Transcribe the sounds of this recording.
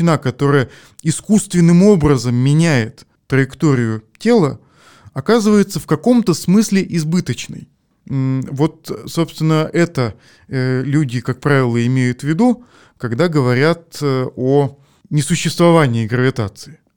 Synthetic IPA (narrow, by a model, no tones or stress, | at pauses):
ɪnakɐt̪o̞ɾəjə | ɪskust̪vʲɪnːɨmo̞bɾəzəmːʲɪnʲæjɪt̪ː | ɾəjɪkt̪oɾʲɪjʊtʲe̞lˠə | ɐkazɨvəjɪt̪səfkɐko̞mt̪əsmɨsʲlʲɪʔɪzbɨt̪ət͡ɕnə̰j | vo̞t̪so̞pst̪vʲɪnːəʔɛt̪ə | lʲudʲɪkak̚pɾavʲɪlˠəɪmʲejʊt̪vʲɪd̪u | kɐɡd̪aɡəvɐɾʲat̪o | nʲɪsʊɕːɪst̪vɐvanʲɪːɡɾəvʲɪt̪at̪sɨɪ